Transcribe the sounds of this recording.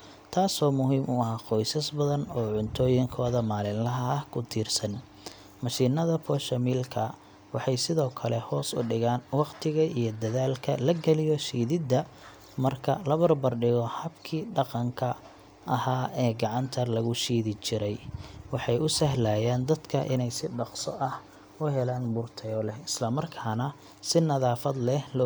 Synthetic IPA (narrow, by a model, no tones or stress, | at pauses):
t̪ʰaːsɔːmʊɦiːmʊɐɦaːqɔjsɐsbɐðɐnɔːʕʊnt̪ʰɔːjɪŋkʰɔːðɐmaːlɪnlɐɦɐɐhkʰʊt̪ʰiːrsɐn | mɐʃiːnɐðɐfɔːʃɐmiːlkʰɐ | wɑħɑjsɪðɔːkʰɐlɛhɔːsʊ̰ɖɪɣaːnwɑqt̪ʰɪɣɐʔijɔd̪ɐðaːlkʰɐlɐɡɐlɪjɔʃiːðɪd̪ːɐ | mɐrkʰɐ̰lɐβɐrbɐrɖɪɣɔhɐbkʰiːɖɑqɑŋkʰɐ | ʔɐhaːɛːɡɑʕɑnt̪ʰɐlɐɣʊʃiːðɪt͡ʃɪɾɛjwɑħɑjʊsɐɦlaːjaːnd̪ɐd̪kʰɐʔɪ̰nɛjsɪɖɑqsɔʔɐh | ʊɦɛlaːnbʊrt̪ʰɛjɔlɛhɪslɐmɐrkʰaːnɐ | sɪnɐðaːfɐd̪lɛhlɔ